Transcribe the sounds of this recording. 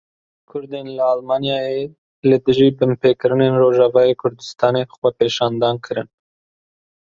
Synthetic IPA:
kʰʊɾd̪eːnlɨɑːlmɑːnjɑːje | lɨd̪ɨʒiːbɨmpʰeːkɨɾɨnenroːʒɑvɑːjeːkʰʊɾd̪ɨst̪ʰɑːnexwɛpeːʃɑːnd̪ɑːnkʰɨɾɨn

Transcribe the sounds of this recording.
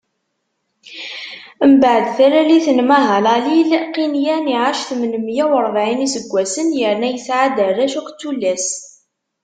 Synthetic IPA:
mbaʕd̪θæɾæliθənmæɦəlˤælilqinjæniʕaʃθmənəmjæwəɾˤvʕinisəɡʷːæsənjəɾnæjəsʕad̪əræʃuqʷt͡sːulːæs

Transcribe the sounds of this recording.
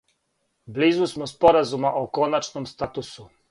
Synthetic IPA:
blizusmospo̞ɾazumaʔoko̞nat͡ʃnomst̪at̪usu

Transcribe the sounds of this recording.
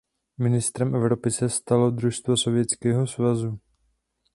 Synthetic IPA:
mɪnɪst̪ɾɛmʔɛvɾopɪsɛst̪alo̞d̪ɾuʃst̪vaso̞vjɛt͡skɛːɦosvazu

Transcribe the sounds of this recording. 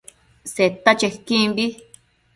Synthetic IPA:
set̪at͡ʃehkĩmbi

